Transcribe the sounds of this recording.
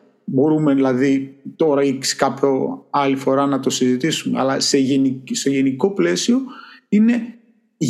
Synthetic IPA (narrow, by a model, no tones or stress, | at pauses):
bo̞ɾumeðilɐðit̪o̞ɾɐikskɐpçoɐlifo̞ɾɐnɐt̪o̞sizit̪isumeɐ̰lɐseenise̞ʝe̞niko̞ple̞sio̞ine̞ | ʝ